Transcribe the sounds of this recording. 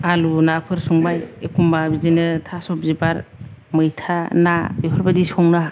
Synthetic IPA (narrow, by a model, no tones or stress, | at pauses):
alunapʰɯɾsɔŋbajekʰumbabizinɯtʰasɔp̚zibaɾmɯjtʰanabipʰɯɾbadisɔŋna